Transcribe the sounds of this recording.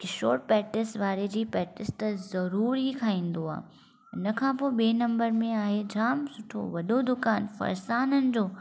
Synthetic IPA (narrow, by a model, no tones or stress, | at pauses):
kɪʃo̰ːʈ̚pɛːʈɪsʋaːɾed͡ʑiːpɛːʈɪst̪ɐzɐɾuːɾikʰaːĩːn̆d̪oa̰ːɦ | ɪnɐkʰãːpoːɓeːnɐ̃mbəɾmẽaːɦed͡ʑaːmsʊʈʰo̰ʋɐɗod̪ʊkaːnfɐ̰ɾsaːnənɪ̆d͡ʑoː